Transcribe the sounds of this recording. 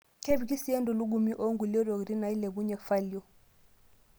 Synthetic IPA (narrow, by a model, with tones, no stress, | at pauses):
kʰe˦bi˨ki˦si˦ɛ˦ndɔ˨lu˦ɡu˨mi˦ʔo˦ŋɡu˨lɔ˦ɾɔ˨ɡɾi˦na˨i˦lɛ˨bu˦ɲɛ˨kfa˦li˨ɔ˦